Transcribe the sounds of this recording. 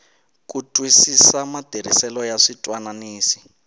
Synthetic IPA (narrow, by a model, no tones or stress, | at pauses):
kutʼwisisamad̥ʱeɾ̤ḭsɛlɔjaʂitʼwananiːsi̥